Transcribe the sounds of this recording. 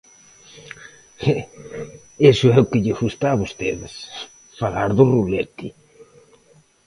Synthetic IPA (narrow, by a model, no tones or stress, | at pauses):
esʊɛʊkɪʎɪɣust̪aːβost̪eðɪs | falaɾðʊrulɛt̪i